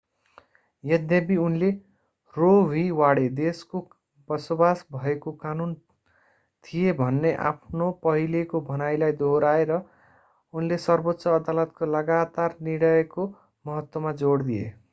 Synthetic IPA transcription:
jʌd̪jʌbiunle | roɦiwaɽed̪esko | bʌsobasbʱʌekokanun | t̪ʰijebʱʌnːeʔa̰pʰnopʌɦilekobʱʌnajlajd̪ʱoɾaeɾʌ | unlesʌrbot̪ːsʌːd̪alʌt̪̚kolʌɡat̪arniɽʌeko | mʌɦʌt̪wʌmad͡zoɽd̪ijḛ

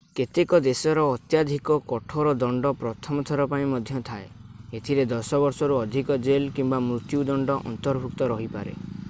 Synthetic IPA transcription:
ket̪ekɔd̪esɔɾɔːt̪jad̪ʱikɔkɔʈʰɔɾɔd̪ɔɳɖɔpɾɔt̪ʰɔmɔt̪ʰɔɾɔpaĩmɔd̪ʱjɔt̪ʰaeet̪ʰiɾed̪ɔsɔbɔɾsɔɾuɔd̪ʱikɔd͡ʒelkimbamɾut̪jud̪ɔɳɖɔʔɔ̰nt̪ɔɾbʱukt̪ɔɾɔɦipaɾḛ

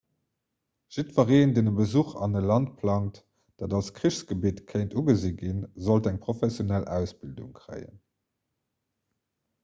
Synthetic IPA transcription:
ʒ̥itfɐʁeːndeːnəbəzuχɑ̰nəlɑnt̚pʰlɑŋt | d̥aːdɑlskʁiɕsɡ̥əbiːtkʰəɪntuɡəziɡinzoltæŋpʁ̥ofɛsjonælæ̰ʊsb̥ildṵŋkʁə̰ɪə̰n

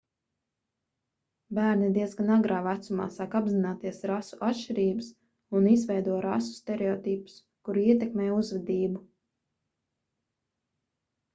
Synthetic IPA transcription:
bæːɾnid̪iɛzɡanaɡɾaːvæt̪suma̰ːsaːkabzinaːt̪iɛsɾasuʔatʃt͡ʃiɾiːbɨs | unizvɛjd̪uɔɾasu̥st̪ɛɾɛɔːt̪iːpu̥s | kuɾiɛt̪ɛkmɛːjuzvɛd̪iːbu

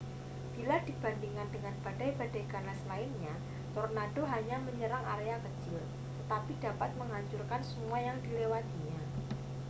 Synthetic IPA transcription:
b̥iladib̥a̤nd̪iŋkandəŋanb̥ad̥ajbadajɡanaslaɪnɲa | t̪ornadoɦaɲaməɲəɾaŋʔa̰ɾeakət͡ʃɪl | t̪ət̪apidapat̪̚məŋɦaɲt͡ʃurkansəmuajaŋdilewat̪iɲa

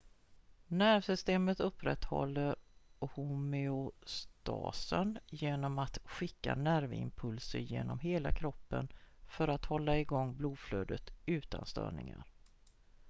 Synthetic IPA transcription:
næɾvsʏst̪eːmət̪ɵpːɾɛ̰t̪hɔ̰lːəɾhumɪʊst̪ɑ̰ːsənjeːnɔmat̪ɧɪkːanæɾvɪ̰mpʰɵlsəɾjeːnɔmɦeːlakʰɾɔpːənfœɾat̪hɔlːaɪɡɔŋːbluːd̪fløːd̪ət̪ʉ̟ːt̪a̰nst̪œ̰ːɳɪŋa̰ɾ

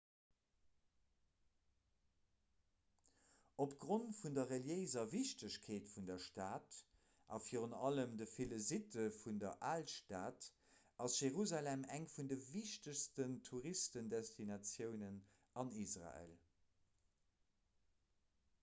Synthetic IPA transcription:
opɡ̥ʁontfundɐʁəljəɪzɐviʃtəɕkʰeːtfundɐʃtaːt | ʔɑ̰fiːʁənɑləmdəfeləzitəfundɐʔaːlʃtaːt | ɑsʒ̥eʁuzalɛmæŋfundəviʃtəɕstəntʰuʁistəndɛstʰinɑt͡sjəʊnən | ɑnisʁa̰ḛːl

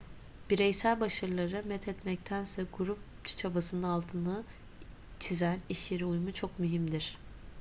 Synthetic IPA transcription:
b̥iɾɛjsælʲbaʃɯɾlˠaɾɯmɛt̪ʰɛt̪mɛc̚t̪ʰænsɛɡuɾup̚ | t͡ʃʰt͡ʃʰabasɯnɯnalˠt̪ʰɯnɯ | t͡ʃʰizæniʃjeɾiujmut͡ʃʰo̞kmyɦimd̪iɾ̥

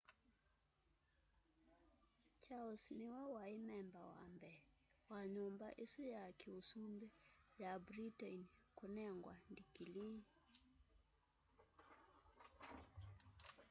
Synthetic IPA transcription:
t͡ʃalsniwɛwaimɛmbawa̰mbɛwaɲumbaʔisujakiusumbɛjabɾitɛnkunɛŋɡwandikili

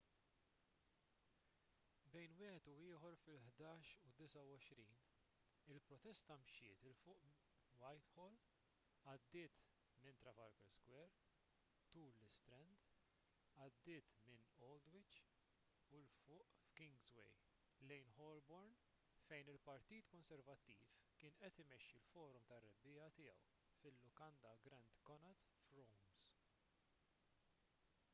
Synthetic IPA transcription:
bɛjnwɪːhɛt̪uɪːħɔɾfɪlħd̪ɐːʃud̪ɪsɐwɔʃɾiːn | ɪlpɾɔt̪ɛst̪ɐmʃɪːt̪ɪlfʊːʔ | wɐjt̪hɔːl | ɐd̪ːɪːt̪ | mɪnt̪ɾɐfɐɾkɛɾskwɛɾ | t̪uːllɪst̪ɾɛnd̪ | ɐd̪ːɪːt̪mɪnɔld̪wɪt͡ʃ | ulfʊːʔfkɪŋɡzwɛ̰j | lɛjnhɔlbɔɾn | fɛjnɪlpɐɾt̪iːt̪kɔnsɛɾvɐt̪ːiːfkɪːnʔɛt̪ɪmɛʃːilfɔːɾɔmt̪ɐrːɛbːɪːɐt̪ɪjɛw | fɪlːʊkɐnd̪ɐɡɾɛnd̪kɔnɐt̪ | fɾɔwms

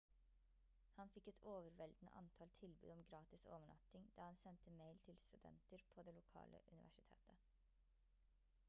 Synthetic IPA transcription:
hɑnfɪkːɛt̪ʰoːʋəɾʋɛld̪n̩ə̰ʔɑ̰nt̪ʰɑːlt̪ʰɪlbʉ̰ːd̪ɔmɡɾɑːt̪ɪso̰ːʋəɳɑ̰t̪ɪŋd̪ɑːhɑnsɛnt̪əmeɪlt̪ʰɪlst̪ʉd̪ɛ̰nt̪əɾpʰoːd̪eːlʊkʰɑ̰ːlʔə̰ʔʉ̰nɪʋʔæ̰ʂɪt̪ʰḛːt̪ʰə

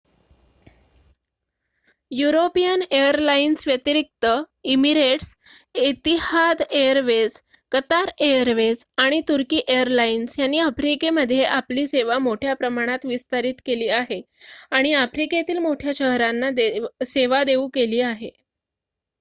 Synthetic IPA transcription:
juɾopijəneəɾlainsʋjət̪iɾik̚t̪ə | imiɾeʈs | it̪ihad̪ejəɾʋed͡z | kət̪aɾejəɾʋed͡zaɽ̃it̪uɾkiːʔejəɾlainsjanːiːafɾikeməd̪ʱːjeʔapliːseʋamoʈʰjapɾəmaɽ̃at̪ʋist̪aɾiːt̪keliːaɦe | aɽ̃iafɾiket̪iːlmoʈʰjaɕəɦɾanːad̪eseʋad̪eukeliːaɦe

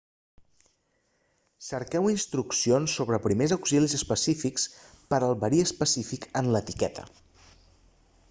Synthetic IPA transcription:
səɾkɛwinst̪ɾuksionsːoβ̞ɾəpɾimezəwksilizəspəsifiks | pəɾəlˠβəɾiəspəsifikənlət̪ikɛt̪ʰə̰

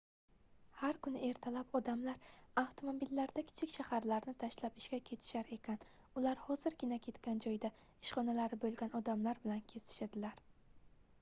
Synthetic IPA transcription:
haɾkʰʊnɪe̞ɾt̪ʰalapɒd̪amlaɾawt̪ʰomobilːaɾd̪akʲʰɪ̥t͡ʃʰɪkʲʃahaɾlaɾnɪt̪ʰaʃlapɪʃkʲakʲʰe̞t̪ʰɪ̥ʃaɾe̞kʲʰan | ʊlaɾhɒzɪɾɡʲɪnakʲʰe̞t̪kʲand͡ʒɒjd̪a | ɪʃχɒnalaɾɪbolˠɡʲanɒd̪amlaɾbɪlankʲʰe̞st̪ɪ̥ʃad̪ɪlaɾ

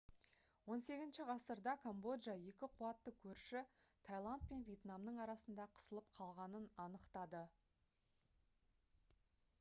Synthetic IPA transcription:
wo̞nse̞ɡʲɪzɪnʃɪʁɑsəɾd̪ɑkʰombo̞d̪ʒaje̞kʲɪqʰuɑt̪ːəkʲʰɵɾʃɪt̪ʰajlˠant̪̚pe̞nvʲje̞t̪namnəɴɑɾɑsənd̪ɑqʰə̥səlˠəp̚qʰɑlˠʁɑnənɑnəqt̪ɑd̪ə

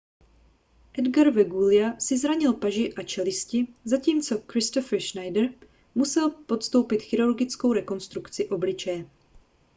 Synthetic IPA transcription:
ʔɛdɡaɾvɛɡulɪasɪzɾaɲɪlpaʒɪʔat͡ʃɛlɪscɪzaciːmt͡so̞kɾɪst̪ofɛɾʃnajdɛɾ | musɛlpo̞t̪st̪o̞wpɪt̪xɪɾuɾɡɪt͡sko̞wɾɛko̞nst̪ɾukt͡sɪʔo̞blɪt͡ʃɛjɛ

